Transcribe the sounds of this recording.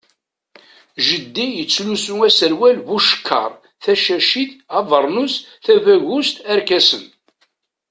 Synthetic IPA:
ʒəd̪ːijət͡sːlusuæsəɾwælvuʃə̥kʰːɑ̰ɾˤ | θæʃæʃiθɑvəɾˤnusθævæʝust̪æɾkæsən

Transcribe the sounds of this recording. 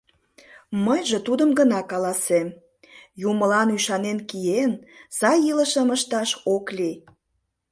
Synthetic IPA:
məjʒĕt̪ud̪əmɡənɑkɑlɑsem | juməlɑnyʃɑnenkijenz̥ɑjiləʃəməʃt̪ɑʃokli

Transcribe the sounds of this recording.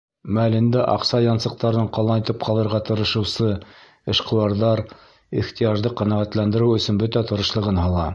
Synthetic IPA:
mæælɘ̆nd̪æʔɑ̰qsɑjɑnsɤ̆q̚t̪ɑɾɤɴqɑlˠɑnɤt̪ɤp̚qʰɑlˠɤ̆ɾʁɑt̪ɤ̆ɾɤ̆ʃɤ̆wsɤ | ɘ̆ʃqɤ̆wɑɾðɑɾ | iχt̪ijɑʒd̪ɤqæ̆næʁæt̪lænd̪ɘ̆ɾɘwɵ̆sɵnbɵt̪æt̪ɤ̆ɾɤ̆ʃlˠɤ̆ʁɤnɦɑlˠɑ

